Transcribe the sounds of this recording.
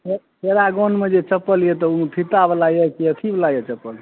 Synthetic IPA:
e | ɦeɾaɡonmed͡ʒet͡ʃəpːəlijet̪ɔup̪ʰit̪abelajɛkiət̪ʰiblajet͡ʃəpːəl

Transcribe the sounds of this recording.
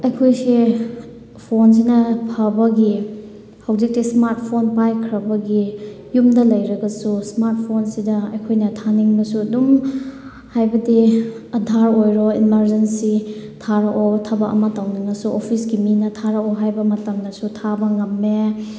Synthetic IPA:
ɐjkʰojsi | pʰons̬inɐpʰɐbɐɡi | hɐwzik̚tismaɾt̚pʰonpajkʰɾɐbɐɡi | jumdɐlɐjɾɐɡɐsusmaɾt̚pʰonsidɐɐjkʰojnɐtʰaniŋbɐsuɐdum | hajbɐdiɐdʱaɾojɾoimɐɾzensitʰaɾɐʔotʰɐbɐʔɐ̰mɐtawniŋɐsuʔopʰisɡiminɐtʰaɾɐoɦajbɐmɐtɐmdɐsutʰabɐŋɐmːe

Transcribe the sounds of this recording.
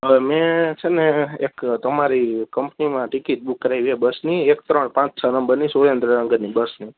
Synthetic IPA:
mẽt͡ʃʰeneekt̪əmaɾikəmpnimãʈikit̪̚bukːəɾajʋiebəsniekt̪ɾəɳpãt͡ʃsʰənəmbəɾnisolənd̪ɾənəŋɡənibəsni

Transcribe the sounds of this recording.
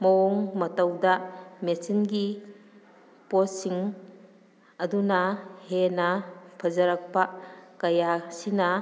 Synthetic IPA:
mɐɔŋmɐtɐwdɐmesinɡi | posiŋ | ɐdunɐhenɐpʰɐzɐɾɐk̚pɐkɐjasinɐ

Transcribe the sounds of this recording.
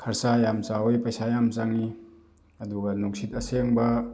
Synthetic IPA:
kʰɐɾsajamt͡ʃaojpɐjsajamt͡ʃaŋi | ɐduɡɐnuŋsitɐseŋbɐ

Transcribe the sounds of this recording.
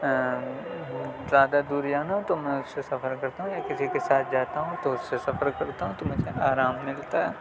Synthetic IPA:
zjaːd̪ad̪uːɾjaːnaɦũt̪omɛ̃ʊsːesɐfəɾkɐɾt̪aɦũjakɪsikesaːt̪̚ʰd͡ʒaːt̪aɦũt̪oʊsːesɐfəɾkɐɾt̪aɦũt̪omʊ̃seʔaːɾaːmːɪlt̪aɦɛː

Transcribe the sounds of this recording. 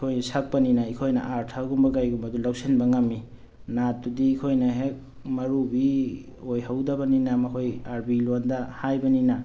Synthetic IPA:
ikʰojnsak̚pɐninaikʰojnɐ̰ʔaɾtʰaɡumbɐɡajɡumbɐdulawsenbɐŋɐmːi | natːudiːkʰojnɐɦek̚ | mɐɾubi | ojɦawdɐbɐninamɐkʰojaɾbilondɐhajbɐnina

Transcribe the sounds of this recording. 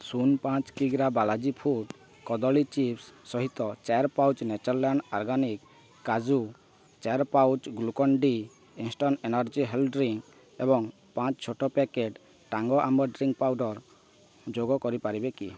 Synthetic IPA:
sunpãt͡ʃkiɡɾabalad͡ʒipʰuɖ | kɔd̪ɔlit͡ʃipsːɔɦit̪ɔt͡ʃaɾpawt͡ʃnet͡ʃɔɾlaɳɖɔɾɡanikː | ad͡ʒu | t͡ʃaɾpawt͡ʃɡlukɔɳɖi | insʈɔnenaɾd͡ʒiɦelɖɾiŋ | ebɔŋ | pãt͡ʃt͡ʃʰoʈʰɔpekeʈ | ʈaŋɡɔʔambɔɾɖɾiŋɡpawɖɔɾ | d͡ʒoɡɔkɔɾipaɾibekḭ

